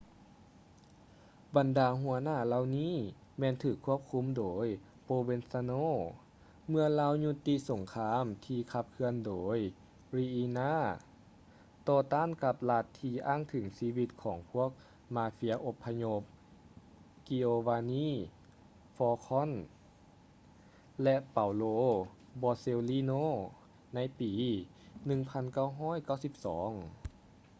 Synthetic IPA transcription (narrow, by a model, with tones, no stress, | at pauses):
ba˨˩ndaː˧ɦu˧ɐnaː˧˥˩la˧wniː˧˥˨ | mɛː˧˥˨nt̪ʰɯː˨˩kʰːu˧˥˩əp̚kʰu˧˥˨mdoː˨˦j | poː˧be˧nsaː˧noː˧˥ | mɯ˧ɐlaː˧˥wɲu˧t̪ːi˧˥so˨˩˦ŋkʰaː˧˥mt̪ʰiː˧kʰa˧p̚kʰɯ˧əndoː˩˦j | ɾiː˧ʔiː˧naː˧˥˨ | t̪ɔː˧t̪aː˧˥˨nka˧˦p̚la˧t̪ʰːiː˧ʔaː˥˨ŋt̪ʰɯ˩˦ŋsiː˧˥wi˧t̪̚kʰɔː˩˦ŋpʰu˧˥˩ək̚ | maː˧fi˧˥ɐ˧ʔo˧pʰːa˧ɲo˧˥p̚ | ki˧oː˧waː˧niː˥˨ | fɔː˧kʰɔ˧˥˨n | lɛ˧ʔpa˨˩wloː˧˥ | bɔː˧seː˧wliː˧˥noː˧˥˨ | na˧˥˨jpiː˨˦ | nɯ˧˩ŋpʰa˧˥˨nka˧˥˩wɦɔː˧˥˨jka˧˥˩wsi˧˦p̚sɔ̰ː˩˦ŋ